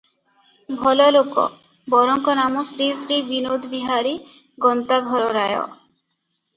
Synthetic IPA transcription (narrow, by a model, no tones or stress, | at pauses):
bʱɔlɔlokɔ̰ | bɔɾɔŋkɔnamɔsɾisɾibinod̪biɦaɾi | ɡɔnt̪aɡʱɔɾɔɾajɔ̰